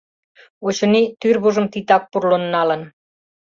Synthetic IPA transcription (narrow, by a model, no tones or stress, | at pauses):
ot͡ɕŏnit̪yrβuʒə̆mt̪it̪ɑk̚purlonːɑlə̆n